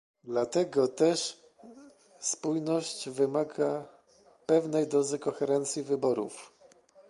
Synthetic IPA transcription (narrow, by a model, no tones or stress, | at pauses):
d̪lat̪ɛɡɔt̪ɛʂ | spujnɔɕt͡ɕvɘmaɡa | pɛvnɛjd̪ɔzɘkɔxɛɾɛnt̪sʲjivɘbɔɾṵf